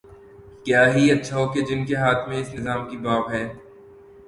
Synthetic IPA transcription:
kjaːɦiɐtːʃʰaɦoːked͡ʒɪnkeɦaːt̪ʰmẽɪsnɪzaːmkibaːpɦɛː

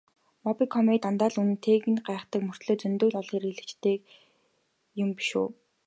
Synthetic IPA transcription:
mɔpikʰɔmit̪ant̪aːɮunɘ̆nt̪ʰeːɣɘ̆nɢæːχt̪ə̆kmɵr̥t̪ɮoːt͡sɵnt̪oːɮɔɮχiɾiɮɘ̆t͡ɕt̪ʰeːk | jʊmpi̥ʃṵː

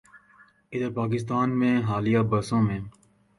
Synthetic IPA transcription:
ɪd̪əɾpaːk̬ɪst̪aːnmẽːɦaːlijaːbəsõːmẽː

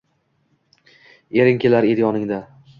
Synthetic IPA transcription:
eɾɪŋkʲʰelaɾed̪jɒnɪŋd̪a

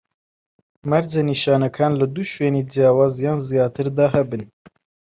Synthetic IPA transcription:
maɾd͡ʒaniʃɑːnakʰɑːnlɨd̪uːʃweːniːd͡ʒijɑːwɑːzjɑːnzijɑːt̪ɨɾd̪ɑːɦɛbɨn

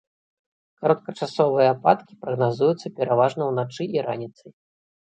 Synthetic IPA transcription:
kaɾɐt̪̚kɐt͡ʂasɔvɨjɐːpa̰t̪kʲi̥pɾɐɣnazujut̪sːɐpʲɛɾavaʐnɐwnat͡ʂɨiɾanʲit̪sɐj

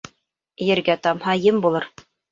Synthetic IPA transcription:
jɘ̆ɾɡæt̪ɑmhɑjɤmbulˠɤɾ

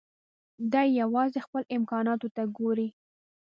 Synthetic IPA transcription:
d̪ɑjjawɑzexpəlɪmkɑnɑt̪ot̪aɡoɾi

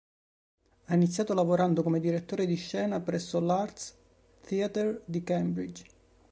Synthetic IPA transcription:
ainit̪sjaːt̪olavoɾand̪okomed̪iɾet̪ːoːɾed̪iʃːɛːnapɾɛsːolart̪s | t̪iat̪ɛrd̪ikɛmbɾid͡ʒ

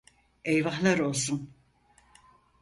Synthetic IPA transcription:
ejvaɦlˠaɾo̞lˠsun

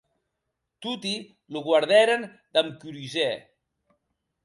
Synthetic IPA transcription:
t̪ut̪i | luɣwaɾðɛɾən | d̪amkyɾyzɛ

